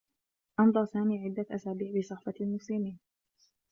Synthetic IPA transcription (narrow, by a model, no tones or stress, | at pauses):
ʔɑnd̪ˤɑɾˤsaːmiːʕɪd̪ːaʔasaːbiːʕbɪsˤɑħfɑlmʊslɪmiːn